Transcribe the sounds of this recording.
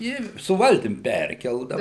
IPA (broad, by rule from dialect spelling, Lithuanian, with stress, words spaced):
ˈɪ sʊ ˈʋɐlʲtʲɪm ˈpʲɛrʲkʲɛlˠdɐʊ